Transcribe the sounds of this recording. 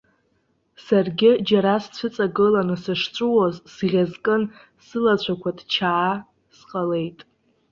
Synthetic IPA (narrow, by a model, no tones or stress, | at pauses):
sarɡʲɪd͡ʒaɾast͡ɕʷʰɨt͡sʼaɡɨlanɨsɨʂt͡ʃʷʼuwazsʁʲazkʼɨn | sɨlat͡ɕʷʰakʷʰadt͡ʃʰaː | sqʼale̞jtʼ